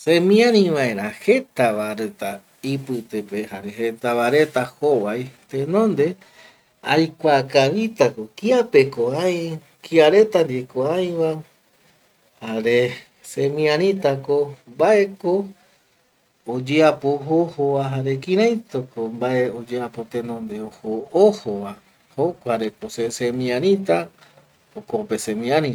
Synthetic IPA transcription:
sẽmĩãɾ̃ĩʋãe̞ɾ̃ahe̞t̪aβaɾet̪a | ipɨt̪epe̞haɾe̞het̪aβaɾe̞t̪ahoβajt̪ẽnõ̞nd̪e̞ | ajkʷakaβit̪ako̞kiape̞koãj̃ | kiaɾe̞t̪and̪ekoãj̃ʋa | haɾe̞ | sẽmĩãɾ̃ĩt̪akombaʔe̞ko | d͡ʒeapoɦohoβaɦaɾe̞kĩɾãj̃t̪okombaʔeod͡ʒeapo̞t̪ẽnõnd̪e̞ohoohowa | hokʷaɾekosesemĩãɾ̃ĩt̪a | okopesẽmĩãnĩ

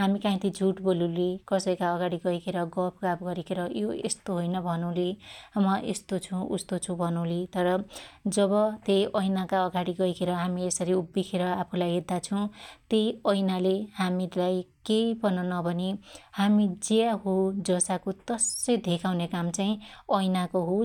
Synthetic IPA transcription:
ɦamikãĩt̪id͡zʱuʈbolulikʌsʌjkaʌɡaɽiɡʌikʰeɾʌɡʌpʰɡapɡʌɾikʰeɾʌjoest̪oɦojnʌbʱʌnũlimʌʔḛst̪ot͡sʰũṵst̪ot͡sʰũbʱʌnũlit̪ʌɾʌd͡zʌbʌt̪ejʔʌjnakaʌɡaɽiɡʌijkʰeɾʌɦamiesʌɾiubːikʰeɾʌapʰulajɦed̪ːat͡sʰʌ̃w̃t̪ejʌjnalehamilajkejpʌnʌnʌbʱʌnihamid͡ziaɦod͡zʌsakot̪ʌsʌjd̪ʱekʰawnekamt͡saĩʌjnakoɦo

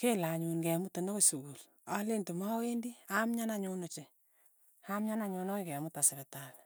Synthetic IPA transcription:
kelaɲunkɛmutonokosuɡul | alentumawendiamɲanaɲonot͡ʃe | amɲanaɲonoikɛmutasɪɾetal

